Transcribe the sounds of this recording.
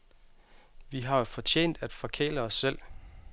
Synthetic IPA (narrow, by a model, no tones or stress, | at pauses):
ʋiɦɑ̈jo̝fɒ̽t͡ɕʰḛːnd̥æd̥fɒ̽kʰḛːləɒsːel̰